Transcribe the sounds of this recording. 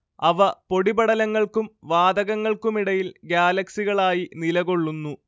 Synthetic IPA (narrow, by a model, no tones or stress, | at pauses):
ɐʋɐpo̞ɽibɐɽɐlɐŋːɐɭkumʋaːd̪ɐɣɐŋːɐɭkumiɽɐjilɡjaːlɐksiɣɐɭaːjinilɐɣo̞ɭːunːu